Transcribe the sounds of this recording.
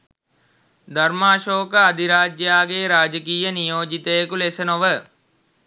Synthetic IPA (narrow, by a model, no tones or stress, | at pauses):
d̪ɐɾmaːʃoːkəad̪iɾaːd͡ʒjaːɡeːɾaːd͡ʒəkiːjənijoːd͡ʒit̪əjekulesənoʋə